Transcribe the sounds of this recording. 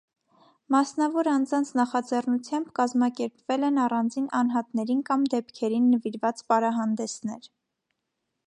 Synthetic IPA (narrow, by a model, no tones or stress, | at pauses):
mɑsnɑvɔɾɑnd͡zɑnt͡sʰnɑχɑd͡zɛrnut͡sʰjɑmbkɑzmɑkɛɾpvɛlɛnɑrɑnd͡zinʔɑnɦɑt̪nɛɾinkɑmd̪ɛpkʰɛɾinːəviɾvɑt͡spɑɾɑɦɑnd̪ɛsnɛɾ